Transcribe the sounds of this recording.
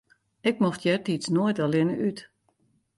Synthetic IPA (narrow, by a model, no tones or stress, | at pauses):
ɪk̚mɔxtjɛtit͡snoəjtalˠɪnəʔyt